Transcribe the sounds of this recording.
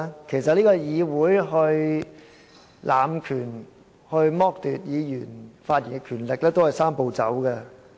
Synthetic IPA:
kʰe˨˩jsɐ˨t̚liː˥kɔː˧jiː˨˧wuː˨˥jɦɵ˧ɥ | lʔaː˨mkʰyː˨˩n | hɵ˧ɥmɔː˥k̚t̪yː˨t̚jiː˨˧jyː˨˩nfaː˧t̚jiː˨˩kɛ˧kʰyː˨˩nlɪ˨k̚lɛː˥t̪o˥whɐ˨jsaː˥mpo˨˧wt͡sɐ̰˨˥wkɛ˧

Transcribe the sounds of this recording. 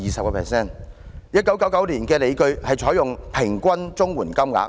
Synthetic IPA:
iː˨˩sɐ˨kɔː˧pʰɛ̰ː˨sɛː˥˩njɐ˥t̚kɐ˨˥wkɐ˨˥wkɐ˨˥wliː˨˩nkɛː˧le˨˧jkɵ˧ɥhɐ˨jt͡ʃʰɔː˨˥jʊ˨ŋpʰɪ˨˩ŋkʷwɐ˥nt͡sʊ˥ŋwuː˨˩nkɐ˥mŋa̰ː˨˥k

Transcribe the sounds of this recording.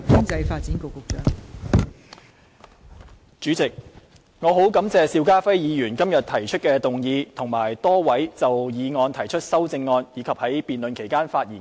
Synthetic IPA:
kɪ˥ŋt͡sɐ˧jfaː˧t̚t͡siː˨˥nkʊ˨˧wkʊ˨˧k̚t͡ʃœ̰ː˨˥ŋ | t͡ʃyː˨˥t͡sɪ˨k̚ | ŋɔː˨˧ɦo˨˥wkɐ˨˥mt͡sɛː˨siː˧wkaː˥fɐ˥jjiː˨˧jyː˨˩nkɐ˥mjɐ˨t̪̚ʰɐ˨˩jt͡ʃʰɵ˥t̚kɛː˧t̪ʊ˨ŋjiː˨˧t̪ʰʊ˨˩ŋmaː˨˩jt̪ɔː˥wɐ˨˥jt͡sɐ˨wjiː˨˧ŋɔː˧nt̪ʰɐ˨˩jt͡ʃʰɵ˥t̚sɐ˥wt͡sɪ˧ŋːɔː˧njiː˨˧kʰɐ˨p̚hɐ˨˥jpiː˨˩nlɵ˨nkʰe˨˩jkaː˥nfaː˧t̚jiː˨˩n

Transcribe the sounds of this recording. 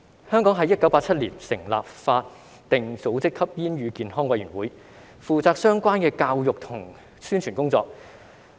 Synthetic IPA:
hœː˥ŋkɔː˨˥ŋɦɐ˨˥jɐ˥t̚kɐ˨˥wpaː˧t͡sʰɐ˥t̚liː˨˩nsɪ˨˩ŋla̰ː˨p̚faː˧t̚ | t̪ɪ˨ŋt͡so˨˥wt͡sɪ˥kʰːɐ˥p̚jiː˥njyː˨˧kiː˨nɦɔː˥ŋwɐ˨˧jyː˨˩wuː˨˥j | fuː˨t͡saː˧k̚sœː˥ŋkʷaː˥nkɛː˧kaː˧wjʊ˨k̚t̪ʰʊ˨˩ŋ | syː˥nt͡ʃʰyː˨˩nkʊ˥ŋt͡sɔ̰ː˧k̚

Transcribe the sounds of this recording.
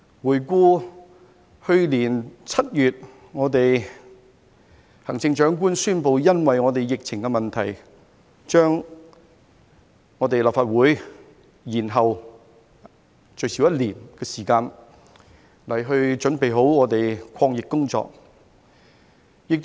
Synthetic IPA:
wuː˨˩jkuː˧ | hɵ˧ɥliː˨˩nt͡sʰɐ˥t̚jyː˨t̚ | ŋɔː˨˧˥t̪e˨j | hɐ˨˩ŋt͡sɪ˧ŋt͡ʃœː˨˥ŋk̬uː˥nsyː˥npo˨˧wjɐ˥nwɐ˨jŋɔː˨˧t̪e˨jjɪ˨k̚t͡sʰɪ˨˩ŋkɛ˧mɐ˨nt̪ʰɐ˨˩j | t͡ʃœː˥ŋ | ɔː˨˧t̪e˨jlaː˨p̚faː˨˧t̚wuː˨˥j | jiː˨˩nɦɐ˨w | t͡ʃɵ˨˧ɥsi˨˥jɐ˥t̚liː˨˩nkɛː˧siː˨˩kaː˧n | lɐ˨˩jɦɵ˧ɥt͡ʃɵ˨˥npe˨jɦo˨˥wŋɔː˨˧t̪e˨jkʰɔː˧ŋjɪ˨kːʊ˥ŋt͡sɔ̰ː˧k̚ | jɪ˨k̚t̪

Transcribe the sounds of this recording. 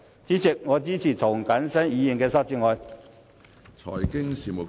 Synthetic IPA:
t͡siː˨˥t͡sɪ˨k̚ŋɔː˨˧t͡siː˥t͡sʰiː˨˩t̪ʰʊ˨˩ŋkɐ˨˥nsɐ˥njiː˨˧ji˨nkɛː˧sɐ˥t͡siː˧˥ŋɔː˨˧j | t͡sʰɔ̰ː˨˩jkɪ˥ŋsiː˨mo˨˩

